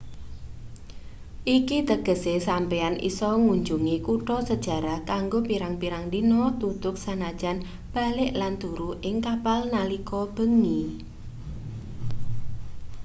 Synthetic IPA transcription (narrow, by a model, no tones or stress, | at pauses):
ʔikit̪əɡ̥ə̤sesampeanʔḭsɔŋuɲd͡ʒuŋikuʈɔsəd̥ʒ̥a̤ɾakaŋɡopiɾaŋpiɾaŋdinɔt̪ut̪ʊk̚sanad̥ʒ̥an | b̥a̤lɪʔland̪uɾuʔɪŋkapalnalikɔb̥əŋi